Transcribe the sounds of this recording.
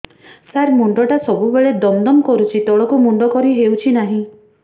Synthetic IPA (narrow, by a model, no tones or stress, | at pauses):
saɾmuɳɖɔʈasɔbubeɭed̪ɔnd̪ɔmkɔɾut͡ʃʰit̪ɔɭɔkumuɳɖɔkɔɾiɦewt͡ʃʰinaɦĩ